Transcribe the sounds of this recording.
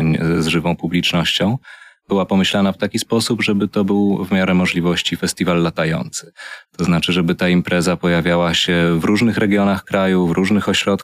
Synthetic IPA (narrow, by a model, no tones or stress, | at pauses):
ɲzʐɘvɔ̃w̃publʲit͡ʂnɔɕt͡ɕɔ̃w̃b̥ɘwapɔmɘɕlanaft̪akʲispɔsubʐɛbɘt̪ɔbɘwvmʲjaɾɛmɔʐlʲivɔɕt͡ɕifɛst̪ʲivalːat̪ajɔ̰nt̪sɘ̥t̪ɔznat͡ʂɘʐɛbɘt̪aimpɾɛzapɔjavʲjawaɕɛvɾuʐnɘxɾɛɡʲjɔnaxkɾajuvɾʔuʐnɘxɔɕɾɔt̪